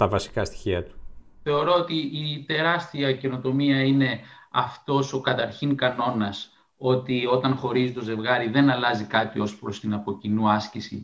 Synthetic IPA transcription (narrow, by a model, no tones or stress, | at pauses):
t̪ɐvɐsi̥kɐst̪i̥çiɐt̪u̥ | θe̞o̞ɾo̞ot̪iːt̪e̞ɾɐst̪iɐce̞no̞t̪o̞miɐine̞ɐft̪o̞so̞kɐt̪ɐɾçiŋkɐno̞nɐs | o̞t̪io̞t̪ɐnxo̞ɾizit̪o̞ze̞vɣɐɾiðe̞nɐlɐzikɐt̪io̞spɾo̞st̪inɐpo̞cinuɐscisḭ